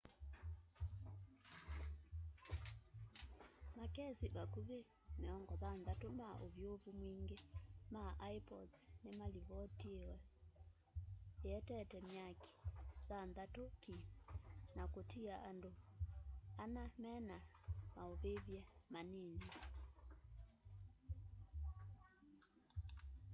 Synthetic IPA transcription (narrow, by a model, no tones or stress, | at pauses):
makɛsiβakuβe | mɛɔŋɡɔðanðatomaʔoβjoβumwiːŋɡemaʔaipɔdsnemaliβɔtiewɛ | eɛtɛtɛmjakʰi̥ðanðatokimnakotiaʔando | anamɛna | maoβeβjɛmaneni